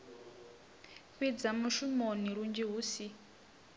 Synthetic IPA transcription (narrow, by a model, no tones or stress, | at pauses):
ɸid͡zamuʃumoniɺund͡ʒiɦuːsi